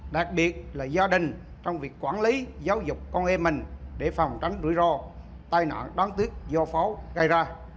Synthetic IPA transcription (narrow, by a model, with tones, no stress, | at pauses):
ɗa˨˩k̚ɓi˨˩ət̚laː˨˩zaː˧ɗï˨˩ŋ̟ | t͡ɕɔ˧wŋ͡mvi˨˩əkːwaː˧˩nli˨˦zaː˨˦wzʊ˨˩k͡p̚kɔ˧nʔɛ˧mï˨˩ŋ̟ɗe˧˩fa˨˩wŋ͡mt͡ɕa˨˦ŋ̟zṵ˧˩˦zɔ˧˩ | t̪aː˧jna̰ː˧˨nɗɔː˨˦nt̪wi˦˥ət̚zɔ˧fɔ˨˦ɣə˧jzaː˧